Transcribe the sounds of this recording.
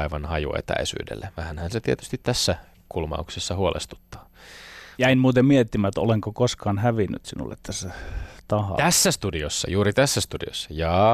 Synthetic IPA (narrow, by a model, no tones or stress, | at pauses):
iʋɑnhɑjṵḛt̪æ̰isy̰ːdḛlːeʋæhænhænset̪iet̪y̥st̪it̪t̪æsːæ | kulmɑ̰uksesːɑhuolʔḛst̪u̥t̪ːɑ̥ː | jæinmuːt̪emmiet̪ːimæt̪o̰leŋkokoskɑːnhæʋinːy̰t̪sinṵlːḛt̪t̪æsːæt̪ɑhɑ̰t̪æsːæst̪udiosːɑ̰juːɾit̪æsːæst̪udḭo̰sːɑjɑː